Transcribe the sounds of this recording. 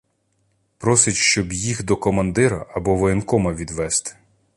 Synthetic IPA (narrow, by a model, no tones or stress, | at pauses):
pɾɔsɪtʲʃt͡ʃɔbjixd̪ɔkɔmɐnd̪ɪɾɐ̰ʔɐbɔʋɔjinkɔmɐʋʲid̪ʋɛst̪ɪ̥